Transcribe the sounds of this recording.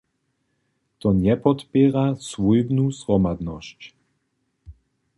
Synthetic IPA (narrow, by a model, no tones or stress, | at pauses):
t̪ɔɲɛpɔt̪pʲɛɾasvujbnusʁɔmad̪nɔɕc